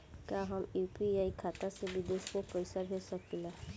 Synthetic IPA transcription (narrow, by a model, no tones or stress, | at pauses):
kaɦɔmupiajkʰat̪asebid̪eskopɔjsaɾɦesɔkila